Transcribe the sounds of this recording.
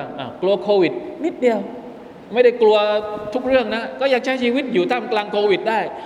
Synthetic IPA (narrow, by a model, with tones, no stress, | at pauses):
ʔaː˨˩klu˧əkʰo˧vi˨˩t̚mi˦˥t̚ɗi˨˩əw | mə˨˦jɗə˧˩jklu˧ət̪ʰʊ˦˥k͡p̚zɨ˧əŋna˨˦kɔ˨˦zaː˨˩k̚t͡ɕaː˨˦zi˧wi˦˥t̚zṵ˨˩˦t̪ʰaː˧mklaː˧˩ŋko˧vi˨˩t̚ɗə˧˩j